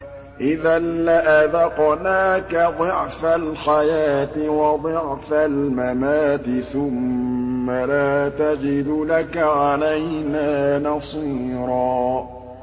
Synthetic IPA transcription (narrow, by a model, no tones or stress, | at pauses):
ʔɪðanːaʔaðɑqnaːkad̪ˤɨʕfalħajaːt̪ɪwɑd̪ˤɨʕfalmamaːt̪ɪθʊmː | alaːt̪ad͡ʒɪd̪ʊlakaʕalajnaːnɑsˤiːɾˤɑː